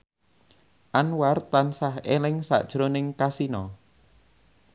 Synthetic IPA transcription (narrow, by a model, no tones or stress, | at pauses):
ʔanwart̪ansaɦelɪŋsa̰ʔd̥ʒ̥ɾonɪŋkasinɔ